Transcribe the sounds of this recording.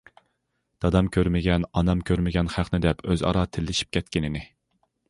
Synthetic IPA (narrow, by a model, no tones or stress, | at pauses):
d̪̥ɑd̪ɑmkʲʰøɾmɪɡʲɛnɑnɑmkʲʰøɾmɪɡʲɛnχæχnɪd̪ɛpøzɑ̰ɾɑt̪ʰɪlːɪʃi̥p̚kʲɛt̪̚kʲɪnɪnɪ